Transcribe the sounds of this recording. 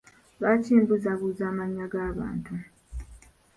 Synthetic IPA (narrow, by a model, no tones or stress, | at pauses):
βaciːmbuzaβuzaːmaɲːaɡaːβa̰ːntu